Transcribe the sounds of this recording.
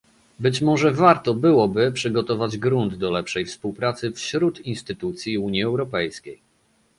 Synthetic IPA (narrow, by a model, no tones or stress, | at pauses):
bɘt͡ɕmɔʐɛvaɾt̪ɔbɘwɔbɘpʂɘɡɔt̪ɔvad͡ʑɡɾund̪d̪ɔlɛpʂɛjfspuwpɾat̪sɘfɕɾut̪inst̪ɘt̪ut̪sʲjiuɲjiɛwɾɔpɛjskʲej